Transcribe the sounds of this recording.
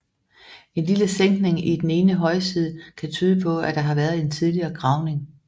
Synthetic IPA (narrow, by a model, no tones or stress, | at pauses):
e̝nliləseŋ̰ɡ̥ne̝ŋid̥ene̝ːnəɦɒ̽ɪsið̞ˠəkʰæt͡sʰyːð̞ˠəpʰɒ̽æd̥ɑ̈ɦɑ̈ʋæːɐð̞̩ˠe̝nt͡sʰið̞ˠliɐːɡ̥ʁɑ̈ʊne̝ŋ